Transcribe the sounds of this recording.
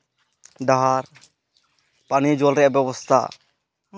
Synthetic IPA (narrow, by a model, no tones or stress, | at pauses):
ɖaɦaɾ | panid͡ʒɔlɾɛʔabɛbɔst̪ʰa̰